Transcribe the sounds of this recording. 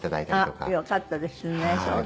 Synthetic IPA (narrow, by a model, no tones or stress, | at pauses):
t̪ad̪a̰it̪aɾatoka̰jokat̪ːad̪esɨneso